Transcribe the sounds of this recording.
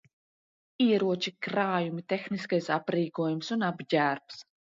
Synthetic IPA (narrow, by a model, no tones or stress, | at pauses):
iɛɾuɔt͡ʃikɾaːjumit̪ʲexniskajsapɾiːkuɔjumsunabɟʲæːɾps